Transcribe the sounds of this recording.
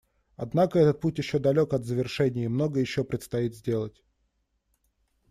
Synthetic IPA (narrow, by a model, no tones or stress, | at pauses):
ɐd̪nakəɛt̪ət̪̚putʲjɪɕːo̞d̪ɐlʲo̞kɐd̪zəvʲɪrʂɛnʲɪjəmno̞ɡəjɪɕːopɾʲɪt̪st̪ɐit̪zʲdʲe̞lˠətʲ